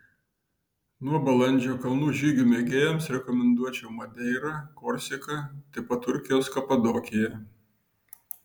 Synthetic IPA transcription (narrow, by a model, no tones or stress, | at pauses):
nuɔbɐlˠɐnʲd͡ʒʲoːkɐlˠnuːʒʲiːɡʲuːmʲeɡʲeːjɛmsɾʲɛkɔmʲɛnd̪uɔt͡ʃʲɛʊmɐd̪ʲɛɪɾɐkɔɾʲsʲɛkɐt̪ɐɪpɐt̪ːʊɾʲkʲɪjoːskɐpɐd̪oːkʲɪjɛ